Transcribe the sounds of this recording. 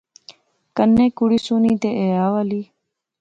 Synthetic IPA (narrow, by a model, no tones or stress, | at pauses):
kənːẽːkuɽiːsuːnĩːt̪eːʔeːjaːʋaliː